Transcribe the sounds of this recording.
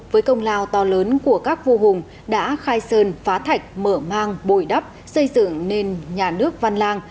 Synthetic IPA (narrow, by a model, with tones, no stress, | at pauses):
vəː˨˦jkə˧wŋ͡mlaː˧wt̪ɔ˧ləː˨˦nku˧˩əkaː˦˥k̚vu˧ɦʊ˨˩ŋ͡m | ɗa̰ː˧˥xaː˧jsəː˧nfaː˨˦t̪ʰa˨˩jk̟̚məː˧˩maː˧ŋɓo˧˩jɗə˦˥p̚ | sə˧jzɨ̰˧˨ŋne˧nɲaː˨˩nɨ˦˥ək̚va˧nlaː˧ŋ